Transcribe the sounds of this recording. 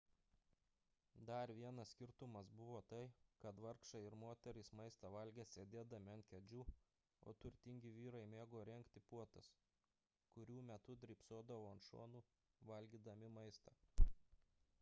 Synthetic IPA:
d̪ɐɾʋʲiɛnɐssʲkʲɪɾt̪ʊmɐsbʊʋoːt̪ɐɪkɐt̪ʋɐɾkʃɐɪɪɾmoːt̪ʲɛɾʲɪsmɐɪst̪ɐʋɐlʲɡʲɛːsʲeːd̪ʲeːd̪ɐmʲɪɐnt̪̚ʲkʲɛd͡ʒʲuː | o̰ːt̪ʊɾʲt̪ʲɪŋʲɡʲɪʋʲiːɾɐɪmʲeːɡoːɾʲɛŋʲkt̪ʲɪpuɔt̪ɐs | kʊɾʲuːmʲɛt̪ʊd̪ʲɾʲɪˑpsoːd̪ɐʋoːɐnʃo̰ːnuː | ʋɐlʲɡʲiːd̪ɐmʲɪmɐɪst̪ɐ

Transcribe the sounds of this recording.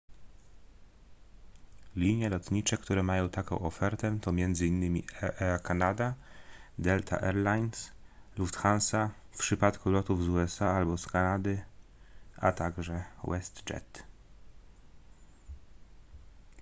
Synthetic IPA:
lʲiɲjɛlɔt̪ɲit͡ʂɛkt̪uɾɛmajɔ̃w̃t̪akɔ̰̃w̃ɔfɛɾt̪ɛt̪ɔmʲjɛnd̪zɘinːɘmʲiɛʔɛakanad̪ad̪ɛlt̪ʰa̰ʔɛɾlajnsluft̪xansafpʂɘpat̪kulɔt̪uvzuɛsaalbɔskanad̪ɘ | ʔa̰t̪aɡʐɛwɛst̪t͡ʂɛ̰t̪

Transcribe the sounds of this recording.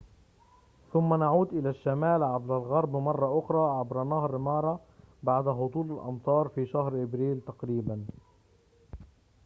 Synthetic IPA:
θʊmːanaʕuːd̪ʔɪlaʃːamaːlʕabɾalɣɑɾˤbmɑrˤːɑʔʊxɾˤɑʕabɾanɑhɾˤmɑːɾˤɑ | baʕd̪aɦʊd̪ˤuːlalʔɑ̰nt̪ˤɑːɾˤfiːʃahɾʔɪbɾiːlt̪ɑqɾiːban

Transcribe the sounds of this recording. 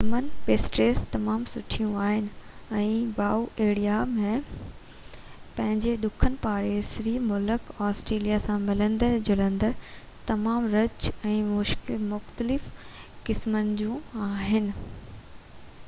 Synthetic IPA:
ɐmənɪpesʈɾeːst̪ɐmaːmsʊʈʰijũaːɦɪnɪ̆ɛ̃ːbaːuʔeːɽijamẽ | pɐ̃ɦɪ̃ɲd͡ʑeɗʊkʰənɪ̆paːɽesɪɾiːmʊləkɔːsʈɾeːlijasãmɪlə̃nd̪əd͡ʑʊlə̃nd̪ə | t̪ɐmaːmɾɐt͡ɕɛ̃ːmʊʃkmʊxt̪əlɪfkɪsmənɪ̆d͡ʑũaːɦɪnɪ̆

